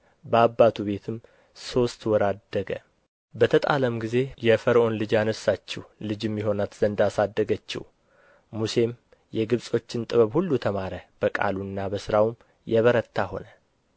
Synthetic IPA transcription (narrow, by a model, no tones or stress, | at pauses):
bəabːat̪ʰuβe̞t̪ʰɨm | so̞st̪wɔɾad̪ːəɡə | bət̪ʰət̪ʼa̰ləmɡize̞jɛfəɾəʔo̞nlɨd͡ʒanəsːat͡ʃːɛwlɨd͡ʒɨmːiɦo̞nat̪ʰz̥ənd̪asad̪ːəɡət͡ʃːɛ̰w | muse̞m | jɛɡɨβsʼo̞t͡ʃːɪnt̪ʼɨβəβhulːut̪ʰəmaɾəb̥əkʼa̰lunːabəsɨɾawm | jɛβəɾət̪ʰːaho̞nə